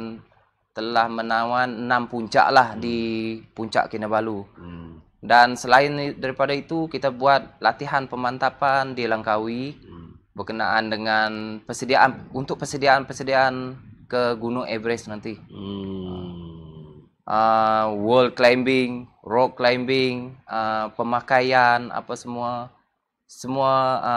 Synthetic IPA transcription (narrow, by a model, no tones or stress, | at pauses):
n | t̪əlahmənawanənampuɲt͡ʃa̰ʔlahdipuɲt͡ʃa̰ʔkinabalu | dansəlaɪndaɾipadait̪ukit̪abuat̪̚lat̪iɦanpəmant̪apandilaŋkawi | bərkənaʔandəŋanpərsədiaʔanunt̪ʊk̚pəsədiaːnpərsədiaːnkəɡunʊŋebɾɛsnant̪i | ʔəwəld̚klajmbɪŋ | rɔk̚kːlajmbɪŋəpəmakajana̰pasəmua | səmua